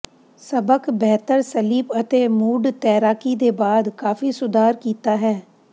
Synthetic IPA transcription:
səbəkbɛːt̪əɾsəliːpət̪eːmuːɖt̪ɛːɾaːkiːd̪eːbaːd̪kaːfiːsʊd̪ʱaːɾkiːt̪aːɦɛː

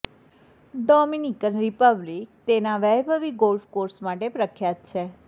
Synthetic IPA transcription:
ɖɔminikənɾipəblik̚t̪enaʋɛjbʱəʋiɡolfkoɾsmaʈepɾəkʰjat̪̚t͡ʃʰe

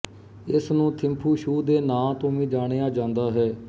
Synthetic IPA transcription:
ɪsnũːt̪ʰɪmpʰuːʃuːd̪eːnãːt̪õːʋĩːd͡ʒaːɽ̃eːaːd͡ʒãːnd̪aːɦɛː

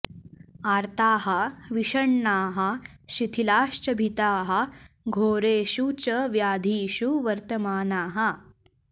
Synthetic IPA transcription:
aːɾt̪aːɦɐʋiʃɐɳːaːɦɐʃit̪ʰilaːʃt͡ʃɐbʱit̪aːɦɐ̆ | ɡʱoːɾeːʃut͡ʃɐʋjaːd̪ʱiːʃuʋɐɾt̪ɐmaːnaːɦɐ

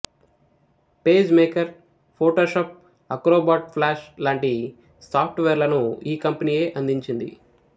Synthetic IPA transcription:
pe̞ːd͡ʒmeːkɐɾ | pʰoːʈoːʃaːp̚ | ɐkɾoːbaːʈ̚pʰlaːʃlaːɳʈi | saːp̚ʰʈʋeːɾlɐnuiːkɐmpɐniːje̞ːʔɐnd̪iɲt͡ʃind̪ḭ

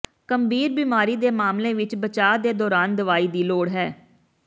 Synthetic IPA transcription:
kəmbʱiːɾbiːmaːɾiːd̪eːmaːmlẽːʋɪt͡ʃbət͡ʃaːd̪eːd̪ɔːɾaːnd̪əʋaːiːd̪iːloːɽɦɛː

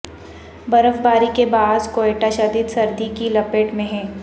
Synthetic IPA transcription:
bɐɾəfbaːɾikebaːd̪koːeːʈaʃɐd̪id̪sɐɾd̪ikilɐpeʈmẽɦɛ̃ː

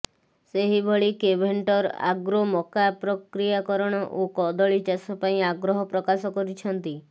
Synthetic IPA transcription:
seɦibʱɔɭikebʱeɳʈɔɾa̰ɡɾomɔkapɾɔkɾijakɔɾɔɽ̃ɔʔokɔd̪ɔɭit͡ʃasɔpaĩaɡɾɔɦɔpɾɔkasɔkɔɾit͡ʃʰɔnt̪i

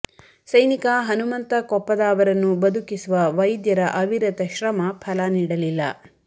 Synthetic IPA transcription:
sɐjnikɐɦɐnumɐnt̪ɐkɔpːɐd̪aːʋɐɾɐnːubɐd̪ukisuʋɐʋɐjd̪jɐɾɐʔɐʋiɾɐt̪ɐʃɾɐmɐpʰɐlɐniːɽɐlilːɐ̰

